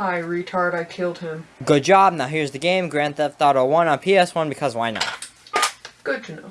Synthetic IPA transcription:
aɪɹitʰɑɹɾaɪkʰɪlˠd̚ɪ̃mɡ̥ʊd̚d͡ʒɑb̚naʊɦiɹzðɨɡẽɪ̃mɡɹæ̃nðɛpθɑɾəwʌ̃nə̃npʰiɛswʌ̃nbɨkʰʌzwaɪnə̰t̚ | ɡ̥ʊd̚tʰɨn

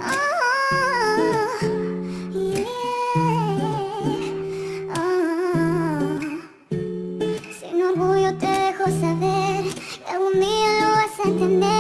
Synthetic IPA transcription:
o | o | sḭnoɾɣujot̪eðexosaβeɾkeund̪ionoβasaent̪end̪e

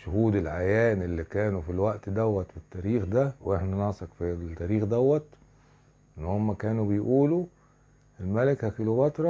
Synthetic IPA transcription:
ʃʊhuːd̪elʕajæːnʔelːikæːnufilwæʔt̪d̪æwːæt̪fit̪ːæːɾiːxd̪æwʔeħnænɑsˤekfit̪æːɾiːxd̪æwːæt̪ | ʔɪnːhomːækæːnubɪjʔuːlu | ʔelmælɪkhækilobɑt̪ɾˤɑ

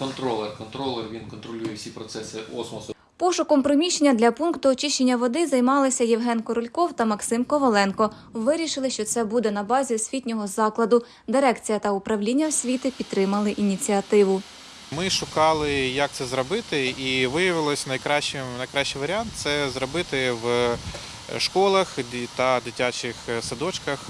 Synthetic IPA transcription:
kɔnt̪ɾɔlˠɛrkɔnt̪ɾɔlˠɛrʋʲinkɔnt̪ɾɔlʲujɛwsʲipɾɔt̪sɛsɪʔɔsmɔsʊ | pɔʃʊkɔmpɾɔmʲiʃt͡ʃːenʲːɐd̪lʲɐpunkt̪ʊɔt͡ʃɪʃt͡ʃenʲːɐʋɔd̪ɪzɐjmɑlˠɪsʲɐjɛwɦɛnkɔɾɔlʲkɔwt̪ɐmɐksɪmkɔʋɔlˠɛnkɔ | ʋɪɾʲiʃɪlˠɪʃt͡ʃɔt̪sɛbud̪ɛnɐbɑzʲisʲʋʲitʲnʲɔɦɔzɑklˠɐd̪ʊ | d̪ɪɾɛkt͡sʲijɐt̪ɐʊpɾɐwlʲinʲːɐwsʲʋʲit̪ɪpʲid̪t̪ːɾɪmɐlˠɪʔinʲit͡sʲiɐt̪ɪʋʊ | mɪʃʊkɑlˠɪjɐk̚t̪sɛzɾɔbɪt̪ɪiʋɪjɐʋɪlˠɔsʲnɐjkɾɑʃt͡ʃɪmnɐjkɾɑʃt͡ʃːijʋɐɾʲɪɑnt̪t̪sɛzɾɔbɪt̪ɪʋ | ʃkɔlˠɐxt̪ɐd̪ɪtʲat͡ʃɪxsɐd̪ɔt͡ʃkɐx

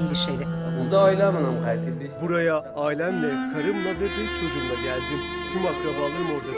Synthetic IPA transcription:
nbiʃejd̪ɛbund̪aːjlʲamanamkʰajt̪ʰed̪ibuɾajaːjlʲæmlʲɛkʰaɾɯmnad̪ab̪iɾt͡ʃʰod͡ʒumlˠaɟælʲd̪im | t̪ʰumakɾabalˠɯɾmo̞ɾd̪a

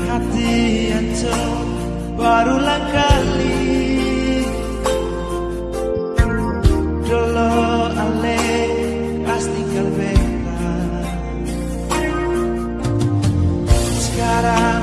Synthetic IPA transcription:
hat̪iant͡ʃɔ | baɾulaŋkali | ɖɔlɔale | asniŋkɡalbɛkta | sə̥kaɾa

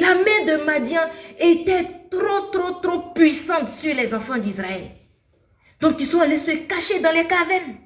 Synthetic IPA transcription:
lamɛ̃d̪əmad̪jɛ̃et̪ɛt̪ɾot̪ɾot̪ɾopɥisɑ̃t̪syʁlɛzɑ̃fɑ̃d̪isʁaɛl | d̪̥ɔ̃k̚t̪ysɔ̃alesəkaʃed̪ɑ̃lɛkavɛn

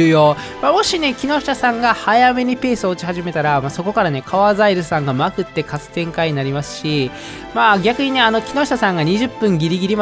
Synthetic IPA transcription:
ɯːjo | maːmo̞ɕine̞kʲino̞̥tasãŋɡahajame̞ɲ̟ipe̞ːsɨo̞ːt͡ɕi̥haʑime̞t̪aɾamaso̞ko̞kaɾane̞kʰaβazaiɾɯsãŋɡamakɯ̟t̪ːe̞kat͡sɨ̥t̪ẽ̞ŋkaiɲ̟inaɾʲimasɨ̥ɕi | maːɡʲakɯ̟ɲ̟ine̞ano̞kʲino̞ɕi̥t̪asãŋɡaɲ̟iʑɨpːɯ̟̃ŋɡʲiɾʲiɡʲiɾʲima

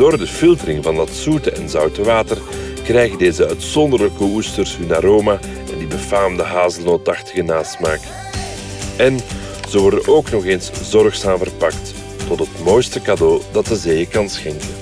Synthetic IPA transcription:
d̥oːrdəfɪlˠtərɪŋvɑndɑtsutəɛnzœwtəʋaːtər | krɛjɣədeːzəœɥtsɔndərləkəustərsɦynaːɾoːma | ɛndibəfaːmdəɦaːzdənotɑxtəɣənaːstmaːk | ɛn | z̥əʋɔrdənʔoːknɔχeːnszɔrxsaːmvərpɑktː | ɔtɦətmoːjstəkadoːdɑt̚dəzejəkɑnsxɛŋkən

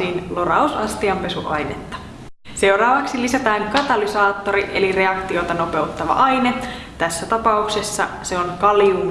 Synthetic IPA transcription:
iːnlorɑusɑst̪iɑmpe̞suʔɑjnḛt̪ːɑ̥ | se̞wɾɑːʋɑksilisæt̪æːŋkɑt̪ɑlisɑːt̪ːo̞ɾiʔḛlire̞ɑkt̪io̞t̪ɑno̞pe̞ut̪ːɑʋɑ̰ʔɑjne | t̪æsːæt̪ɑpɑuksesːɑ̰ | se̞onkɑliuː

